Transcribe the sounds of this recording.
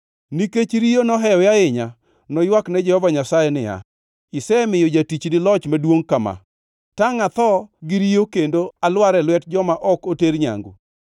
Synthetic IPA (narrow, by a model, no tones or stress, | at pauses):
niket͡ʃɾijonɔɦɛɔjaɪɲa | nɔjwaknɛd͡ʒɛhɔvaɲasajɛnɪja̰ | ɪsɛmɪjod͡ʒatit͡ʃnɪlɔt͡ʃmadwoŋkama̰ | taŋat̪ɔɡɪɾijokendoalwaɾɛlwɛtd͡ʒɔmaʔɔkoteɾɲa̰ŋɡo̰